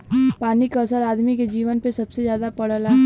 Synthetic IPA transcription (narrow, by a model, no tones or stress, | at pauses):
paːnikasəɾaːd̪miked͡ʒiːʋənpesɐbsezjaːd̪apɐɽ̤əlaː